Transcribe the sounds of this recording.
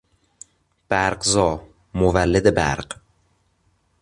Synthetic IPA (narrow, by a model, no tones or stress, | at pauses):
b̥æɾqzɒː | movælːed̪ebæ̰ɾɢ